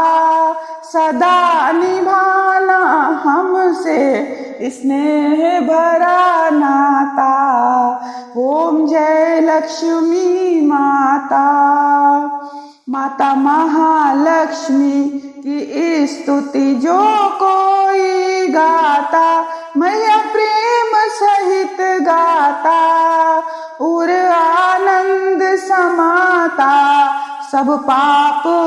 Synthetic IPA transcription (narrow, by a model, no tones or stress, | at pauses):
sɐd̪anɪmanaɦɐmseɪsneɦbʱɐɾanat̪ʰa | ɦoːmd͡ʒɐlɐkʃmimaːt̪a | maːt̪amɐɦalɐkʂmi | kiʔest̪ut̪id͡ʒokoiɡaːt̪a | mɐjapɾemsɐɦit̪ɡaːt̪a | uɾaːnɐnd̪sɐmat̪a | sɐbʱpap